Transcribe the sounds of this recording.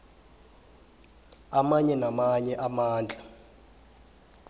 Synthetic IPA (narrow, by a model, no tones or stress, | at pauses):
amaɲɛnamaɲɛʔamaːnd͡ɮʱa